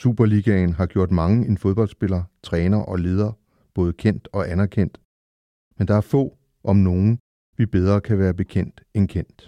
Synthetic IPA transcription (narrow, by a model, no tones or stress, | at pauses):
sṵːb̥ɐliɡ̥æn̩ɦɑ̈ɡ̥jo̝ɐ̰d̥mɑ̈ŋəenfoð̞ˠb̥ɒ̽ld̥sb̥e̝lɐt͡sʰʁɛːnɐʔɒ̽le̝ːð̞ˠɐ | b̥ɔ̽ːð̞̩ˠəkʰen̰d̥ɒ̽ʔænɐkʰen̰d̥ | mend̥ɑ̈æɐfɔ̰̽ː | ʔɒ̽mno̝ːn̩ | ʋib̥eð̞ˠʁɐːkʰæʋæːɐb̥e̝kʰen̰d̥enkʰen̰d̥